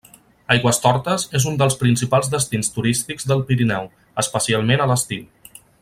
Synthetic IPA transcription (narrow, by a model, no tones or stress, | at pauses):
ajɣwəst̪ɔɾt̪əzezund̪əlˠspɾinsipalˠzðəst̪inst̪uɾist̪iɡzðəlˠpiɾinɛw | əspəsialˠmenələst̪iw